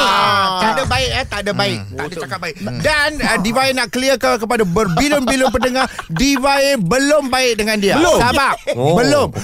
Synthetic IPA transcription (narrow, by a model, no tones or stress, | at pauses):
aʔdabaɪkət̪aʔdabaɪk̚t̪aʔdat͡ʃakat̪̚baɪkdanədivaɪnaʔkəliəkakəpadabərbilʊmbilʊmpədəŋahdivabəlʊmbaɪk̚dəŋãndiat̪abaʔbəlʊm